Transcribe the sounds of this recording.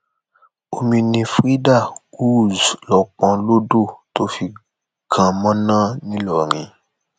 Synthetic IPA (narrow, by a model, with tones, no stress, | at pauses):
o˧mĩ˧nĩ˧fɾi˦da˦˨u˦zlɔ˨k͡pã˧˦lo˦do˦˨to˦fi˧ | ɡ̥ã˨mã˦nãː˦˨nĩ˦lɔ˦˨ɾ̃ĩ˨